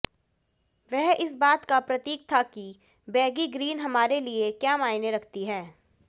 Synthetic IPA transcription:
ʋɛɦɪsbaːt̪kapɾɐt̪iːk̚t̪ʰaki | bɛːɡiɡɾiːnɦɐmaːɾeliekjaːmaːɪneɾɐkʰt̪iɦɛː

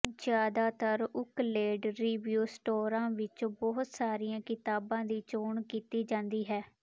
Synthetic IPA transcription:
d͡ʒjaːd̪aːt̪əɾʊkleːɖɾiːʋjuːsʈoːɾãːʋɪt͡ʃbɔɦʊt̪saːɾɪjãːkɪt̪aːbãːd̪iːt͡ʃoːɳkiːt̪iːd͡ʒãːnd̪iːɦɛː

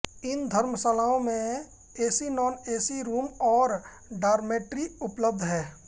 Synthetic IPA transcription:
ɪnd̪ʱəɾməsalaːõmẽ | eːsinɔːneːsiɾuːmɔːɾ | ɖaːɾmeːʈɾiʊpləb̚d̪ʱɦɛː

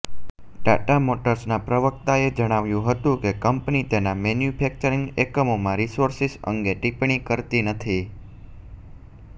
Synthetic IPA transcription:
ɖa̰ʈamoʈəɾsnapɾəʋək̚t̪aed͡ʒəɽ̃aʋjũɦət̪ũkekəmpnit̪enamɛnjupʰɛk̚t͡ʃəɾĩŋɡekəmomãɾisoɾsisə̰ŋɡeʈipɳ̃ikəɾt̪inət̪ʰi

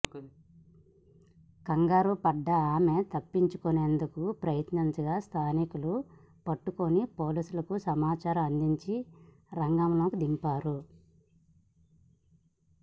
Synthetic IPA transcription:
kɐŋɡaːɾupɐɖːɐaːme̞t̪ɐpːiɲt͡ʃukune̞ːnd̪ukupɾɐjɐt̪nɐnt͡ʃɐɡaːst̪ʰaːnikulu | pɐʈːukonipo̞ːliːsulɐkusɐmaːt͡ʃaːɾɐmɐnd̪iɲt͡ʃi | ɾɐŋɡamlo̞ːkud̪impaːɾu

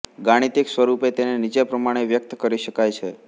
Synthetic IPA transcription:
ɡaɽ̃it̪iksʋəɾupet̪enenit͡ʃepɾəmaɽ̃eʋjək̚t̪kəɾiʃəkajt͡ʃʰe

